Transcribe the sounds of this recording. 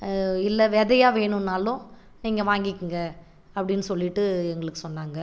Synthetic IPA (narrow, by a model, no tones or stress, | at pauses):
ɪlːɐʋɛðɐjaːʋeːɳɯnːaːlʊ̃ | niːŋɡɐʋaːŋɡɪkːɯŋɡɐ | ɐpːɐɽɪnːɯsɔlːɪʈːɯɛŋɡɐɭɯkːɯ̥sɔnːaːŋɡɐ